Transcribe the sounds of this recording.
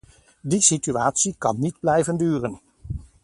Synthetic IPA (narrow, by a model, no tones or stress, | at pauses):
disityaːtsikɑ̰nːidblɛjvəndyːrən